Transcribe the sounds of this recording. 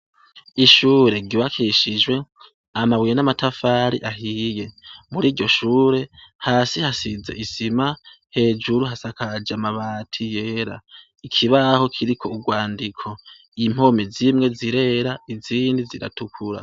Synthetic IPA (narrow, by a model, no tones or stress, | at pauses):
iʃuːɾe̞ɟuβakʰiʃid͡ʒwe̞ | amaβwijenamatʰafaɾḭʔaɦiːje̞muɾiːɾɟo̞ʃuːɾe̞haːsihasize̞̰ʔisima | he̞ːd͡ʒuɾuɦasakad͡ʒamaβaːtʰije̞ːɾa̰ | ikʰiβaho̞kʰiɾikʰo̞uɡwaːndikʰo̞ | im̥o̞mezimŋe̞ziɾe̞ɾaiziːndiziɾa̰tukʰuɾa̰